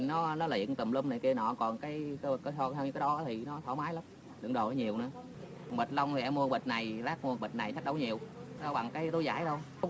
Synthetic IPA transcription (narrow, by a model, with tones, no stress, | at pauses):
nɔ˨˦nɔ˨˦lḭ˧˨ənt̪ə˨˩mlə˧mna˨˩jknɔ̰˧˨kɔ˨˩nkaː˨˦jkːkɔ˧˦tɔ˧t̪ʰɛ˧wɲɨ˧˥kːaː˦ɗɔ˨˦ʔaː˨˦t̪ʰi˨˩nɔ˨˦t̪ʰɔ˧˦maː˨˦jla˨˦m | ɗɨ̰˨˧˩əɗo̰˨˩˨ɲi˨˩əwnɨ̰˨˧˦ə | ɔ˨˩ŋɓə˨˩t̚la˧wŋ͡mt̪ʰi˨˩ʔɛ˧mu˧əɓə˨˩t̚na˨˩jzaː˦˥k̚mu˧ɓə˨˩t̚na˨˩jt͡ɕʰa˦˥k̚ɗə˧˦wɲi˨˩əwɔ˧˦ɓa˨˩ŋkaː˨˦jt̪o˨˦jza̰ː˧˩˦jɗə˧w